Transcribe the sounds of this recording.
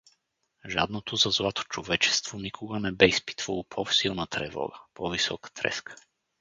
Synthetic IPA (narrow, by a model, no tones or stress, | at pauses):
ʒa̰d̪not̪ʰozazlˠat̪o̥t͡ʃovɛt͡ʃɛ̥st̪vonikʰoɡanɛbɛispi̥t̪valˠopʰɔfsilˠnat̪ɾɛ̰vɔ̰ɡəpɔvisɔ̰kḁt̪ɾɛ̰skʰə̥